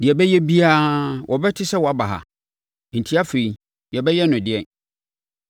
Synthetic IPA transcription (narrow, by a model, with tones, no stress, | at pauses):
dɪ˨ɛ˨bɛ˦jɛ˦bi˦a˦wʔɔ˨bɛ˦tʰɪ˦sɛ˦wɔ˨a˨ba˨ɦa̰˨ | n̩˨tʰi˦a˦fe˨i˨ | jɛ˨bɛ˦jɛ˦nʊ̃˨dɪ˨ɛ˨n